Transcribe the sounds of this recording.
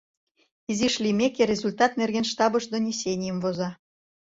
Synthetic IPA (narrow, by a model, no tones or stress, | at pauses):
iziʃlimʲekeɾʲezulʲt̪ɑt̪nerɣenʃt̪ɑbɤʃd̪onʲisʲenʲijəmvozɑ